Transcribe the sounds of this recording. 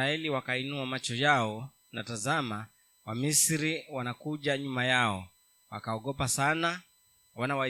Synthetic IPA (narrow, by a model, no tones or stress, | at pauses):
aɛliwakainuamat͡ʃɔjaɔ | na̰tazama | wamisiɾiwanakuʄaɲumajaɔ | wa̰kaɔɠɔpasana | wanawa